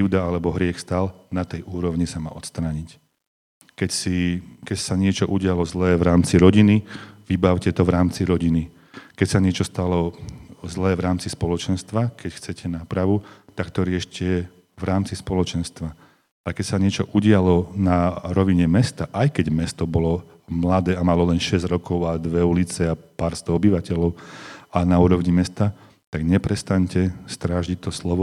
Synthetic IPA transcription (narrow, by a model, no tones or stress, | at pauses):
iʊd̪aalɛbɔɦɾɪɛxst̪aːlnat̪ɛjʔuːɾɔʊɲisama̰ːʔɔt̪st̪ɾaːɲic | kɛcsikɛcsaɲɪɛt͡ʃɔʔuɟɪalɔzlɛːʋɾaːmt͡siɾɔɟiniʋibaʊcɛt̪ɔʋɾaːmt͡siɾɔɟini | kɛcsaɲɪɛt͡ʃɔst̪alɔzlɛːvɾaːmt͡sispɔlɔt͡ʃɛnst̪ʋakɛcxt͡sɛcʰɛnaːpɾaʋut̪akt̪ɔɾɪɛʃcɛ | ʋɾaːmt͡sispɔlɔt͡ʃɛnst̪ʋa | akɛcsaɲɛt͡ʃɔʔuɟɪalɔnaɾɔʋiɲɛmɛst̪aʔajkɛɟmɛst̪ɔbɔlɔ | mlad̪ɛːamalɔlɛnʃɛzɟɾɔkɔʊad̪ʋɛulit͡sɛapaːɾst̪ɔɔbiʋacɛlɔʊanauːɾɔʋɲimɛst̪a | t̪aɡɲɛpɾɛst̪aɲcɛst̪ɾaːʒic̚t̪ːɔslɔʋɔ